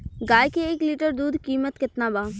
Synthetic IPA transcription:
ɡaːjkeeːkliːʈəɾd̪uːd̪kiːmət̪kɪt̪nabaː

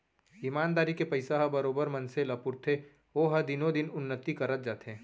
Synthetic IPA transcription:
imaːnd̪aːɾikepɐɪsaɦɐbɐɾoːbəɾmɐ̃nselɐpʊɾt̪ʰe | oːɦɐd̪ɪnõd̪ɪnʊnːət̪ikɐɾət̪̚d͡ʒaːt̪ɦẽː

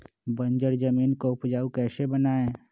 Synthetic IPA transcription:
bə̃nd͡ʒəɾd͡ʒəmiːnkoʊpd͡ʒaːukɛːsebənaːẽ

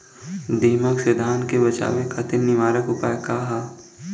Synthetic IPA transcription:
d̪iːməksed̪ʱaːnkebɐt͡ʃa̰ːʋekat̪ɪnnːɪʋaːɾəkɦʊpaːekaːɦaː

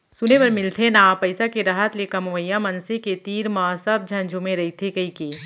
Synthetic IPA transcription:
sʊnepɐɾmɪlt̪ʰenãpɐɪsakeɾaɦət̪lekɐmoəjːamɐnseket̪iːɾmaːsɐb̚d͡ʒʱɐ̃ɲd͡ʒʱõmẽɾɐɦit̪ʰekɐikiː

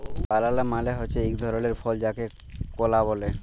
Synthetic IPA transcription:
balalamaleɦot͡ɕʰeikd̪ʱɔɾoleɾfʰɔld͡ʑake | kolaβole

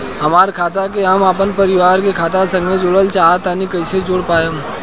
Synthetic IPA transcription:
ɦɐmaːɾkʰaːt̪akeɦəmaːpənpɐɾɪʋaːɾkekʰaːt̪asɐ̃ŋɡed͡ʒʊləlt͡ʃaːɦat̪aːnikɐɪsed͡ʒoːɽpaːjaɦ

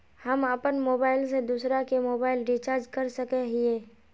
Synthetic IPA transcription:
həməpənmoːbaːɪlsed̪uːsɾakemoːbaːɪlɖit͡ʃaːɾd͡ʒkəɾsəkeɦieː

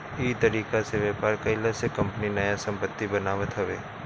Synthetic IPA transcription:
iːt̪ɐɾiːkaseʋjɛːpaːɾkɐɪlasekɐ̃mpəninɐjasɐ̃mpət̪ːibɐnaːʋət̪ɦɐʋḛː

